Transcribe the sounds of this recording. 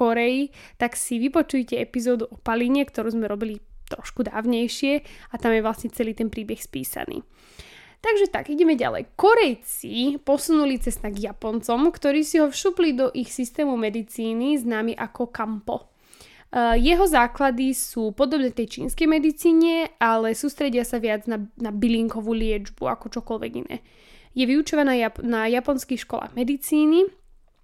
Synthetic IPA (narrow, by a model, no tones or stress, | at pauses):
kɔɾɛji | t̪aksiʋipɔt͡ʃujcɛɛpizɔːd̪uɔpaliɲɛkt̪ɔɾuːzmɛɾɔbilit̪ɾɔʃkud̪a̰ːʊɲɛjʃɪɛat̪amjɛʋlasɲɛt͡sɛliːt̪ɛnpɾiːbɛxspḭːsa̰nḭː | t̪aɡʒɛt̪a̰ɡiɟɛmɛɟa̰lɛ̰jkɔɾɛjt͡sipɔsunulit͡sɛst̪aɡjapɔnt͡sɔmkt̪ɔɾiːsiɦɔfʃuːplid̪ɔʔixsist̪ɛːmumɛd̪it͡siːniznaːmiʔakɔkampɔ̰ | jɛɦɔzaːklad̪isuːpɔd̪ɔbnɛːt̪ɛjt͡ʃḭːnskɛjmɛd̪it͡siːɲɛalɛsuːst̪ɾɛɟɪasaʋɪad͡znanabiliŋkɔʋuːlɪɛd͡ʒbua̰kɔt͡ʃɔkɔlʋɛ̰ɡḭnɛ̰ː | jɛʋiut͡ʃɔʋanaanajapɔnskixʃkɔla̰ːɣmɛd̪it͡siːni